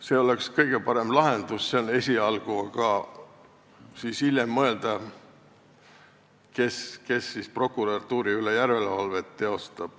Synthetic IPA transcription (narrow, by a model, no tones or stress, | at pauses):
se̞ːo̞le̞kskɤjɡ̥e̞pɑɾe̞mlɑɦe̞nd̪̥usse̞one̞sʲiɑlɡ̥uɑkɑ | siːshiljemːɤe̞ld̪̥ɑ | ke̞ske̞sːispro̞kːˑuɾɑt̪ːuːɾiylejærvelevɑlve̞t̪ːeo̞st̪ɑb̥